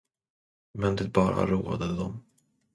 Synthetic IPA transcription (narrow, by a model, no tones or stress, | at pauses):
mɛnd̪ɪbɑːɾa̰ɾuːad̪əd̪ɔm